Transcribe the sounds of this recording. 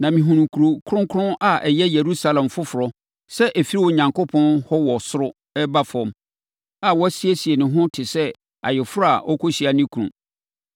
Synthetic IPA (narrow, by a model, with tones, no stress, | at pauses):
nã˨mĩ˨ɦũ˨nũ˨kʰu˨ɾo˨kʰʊ˦ɾʊ̃˦ŋkʰʊ˦ɾʊ̃˦nʔa˨ʔɛ˨jɛ˦je˨ɾu˦sa˦lɛ̃˨mfʊ˦fʊ˨ɾɔ˦ | sɛ˦ʔɛ˨fi˦ɾi˦wɔ˨ɲã˨ŋkʊ˦pʰɔ̃˦nhɔ˦wɔ˨sʊ˦ɾʊ˦ | ɛ˦ba˦fɔ̃˨m | a˨wɔ˦sɪ˦e˦si˨e˨nɪ̃˨ɦʊ̃˦tʰɪ˨sɛ˦ | a̰˨jɪ˨fʊ˦ɾʊ˦a˨ʔɔ̰˦kʰo˦ɕi˨a˨nɪ̃˦kʰũ˨nṵ̃˨